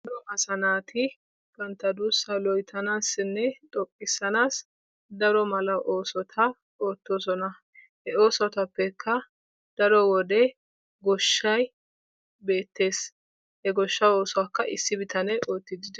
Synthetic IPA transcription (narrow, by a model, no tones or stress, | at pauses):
d̪ɔʔɐsɐnaːt̪ʰɪ | kɐnt̪ːɐd̪usɐlɔjt̪ʰɐnaːsɪnːɛt̪ʼɔkʼːɪsːɐnaːs | d̪ɐɾɔmɐlɐʔo̞ːsɔt̪ʰɐ | o̞ːt̪ːo̞ːsɔnɐ | hɛoːsɔt̪ɐpːɛkʰːɐ | d̪̥ɐɾɔwɔd̪ɛ | ɡɔʃːɐj | be̞ːt̪ːe̞ːs | hɛɡɔʃːɐwo̞ːsʊakːɐʔɪsːɪbɪt̪ɐnɛo̞ːt̪ːɪd̪ɪd̪ɛ